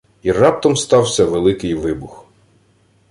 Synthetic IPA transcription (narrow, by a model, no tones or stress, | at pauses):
irɑp̚t̪ɔmst̪ɑwsʲɐʋelˠɪkɪjʋɪbʊx